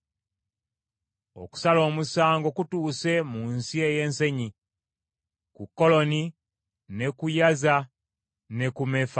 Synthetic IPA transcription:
o̞̰ku̥salo̞ːmusaːŋɡo̞kutuːse̞munsie̞je̞ːnse̞ɲi | kukːo̞lo̞ni | ne̞kujaza | ne̞kumefa

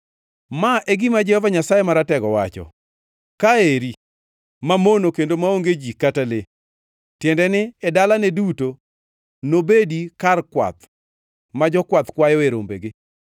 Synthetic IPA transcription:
maʔeɡɪmad͡ʒɛhɔvaɲasajɛmaɾatɛɡɔwat͡ʃɔ̰ | kaeɾi | mamonokendomaoŋɡed͡ʒikatale | tjɛndɛnɪɛdalanɛduto | nobedikarkwa̰t̪ | mad͡ʒɔkwat̪kwajɔeɾo̰mbḛɡɪ

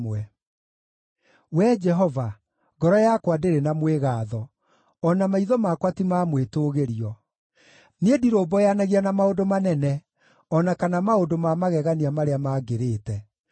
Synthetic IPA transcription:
wɛ | wɛd͡ʒɛɦɔva | ɡɔɾɔjakwadeɾenamweɣaːðɔ | ɔnamaiðɔmakwatimamwetoːɣeɾiɔ | neediɾoːbɔjanaɣianamaodomanɛnɛ | ɔnakanamaodomamaɣɛɣaniamaɾeamaːɡeɾeːtɛ

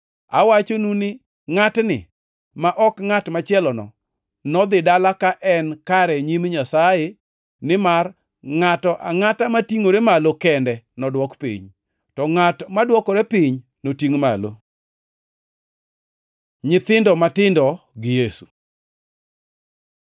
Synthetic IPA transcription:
a̰wat͡ʃonunɪ | ŋatnɪ̰ | maʔɔkŋatmat͡ʃɪɛlɔnɔ̰ | nɔd̪ɪdalakaʔɛnkaɾɛɲimɲasaje | nɪmar | ŋatɔʔaŋatamatiŋoɾemalokɛndɛnɔdwɔkpḭɲ | tɔŋatmadwɔkɔɾɛpiɲ | notiŋma̰lo̰ | ɲɪt̪ɪndɔmatɪndɔɡɪjesu̥

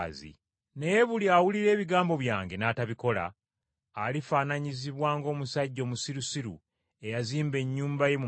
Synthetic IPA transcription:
zḭ | ne̞je̞βuliawuliɾe̞ːβiɡaːmbo̞βjaːŋɡe̞naːtaβiko̞la̰ː | lifaːnaɲiziβwaːŋɡo̞ːmusaɟːo̞ːmusiɾusiɾṵ | e̞jaziːmbe̞ɲːuːmbaje̞mu

